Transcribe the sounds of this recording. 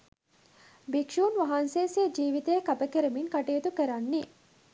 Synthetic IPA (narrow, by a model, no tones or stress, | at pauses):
bikʃuːnʋɐɦanseːseːd͡ʒiːʋit̪eːkɐbɐkeɾemiŋkɐʈeːt̪ukɐɾɐnːi